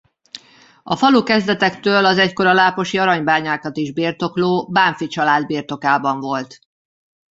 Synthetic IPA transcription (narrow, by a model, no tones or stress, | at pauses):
ɒfɒlukɛzd̪ɛt̪ɛkt̪øːlɒzɛcko̞ɾɒlaːpo̞ʃiɒɾɒɲbaːɲaːkɒt̪iʒbiːrt̪o̞kloːbaːɱfit͡ʃɒlaːd̪biːrt̪o̞kaːbɒɱvo̞lt̪